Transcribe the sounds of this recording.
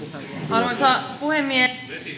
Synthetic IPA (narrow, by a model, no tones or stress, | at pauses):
ɑɾusɑpuhemːies